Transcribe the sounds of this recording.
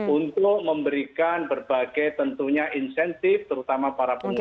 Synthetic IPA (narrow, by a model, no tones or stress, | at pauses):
unt̪ʊk̚məmbəɾikanbərb̥aɡ̥ajt̪ənt̪uɲaʔinsɛnt̪ɪft̪əɾut̪amapaɾapəŋu